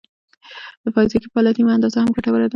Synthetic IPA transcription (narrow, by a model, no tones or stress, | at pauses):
d̪̥əfɑjzekepɑlat̪imaand̪ɑzahamɡaʈawəɾad̪a